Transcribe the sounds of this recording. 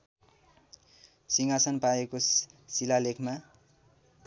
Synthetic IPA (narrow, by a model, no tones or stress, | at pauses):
siŋasʌnpaekosilalekʰma